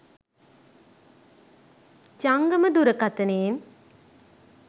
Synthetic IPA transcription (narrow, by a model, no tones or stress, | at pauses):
t͡ʃaŋɡəməd̪uɾəkat̪ɐneːn